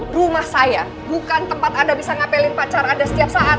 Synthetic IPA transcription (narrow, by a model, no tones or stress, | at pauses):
rumahsaja | bukant̪əmpat̪adabisaŋapelɪŋpat͡ʃaɾaːdasə̥t̪iap̚saʔat̪